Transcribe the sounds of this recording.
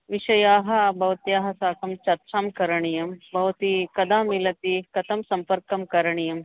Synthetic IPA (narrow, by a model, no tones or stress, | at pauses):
ʋiʃɐjaːɦɐbʱɐʋt̪jaːɦɐsaːkɐmt͡ʃɐɾt͡ʃaːmkɐɾɐɳ̃ijɐmbʱɐʋt̪ikɐd̪aːmilɐt̪ikɐt̪ʰɐmsɐmpɐɾkɐmkɐɾɐɳ̃ijɐm